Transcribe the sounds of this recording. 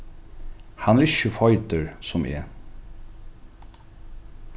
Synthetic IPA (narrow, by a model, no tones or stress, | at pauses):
hanɛɾɪçːəfɔjt̪əɹsɔmʔɛ̰ː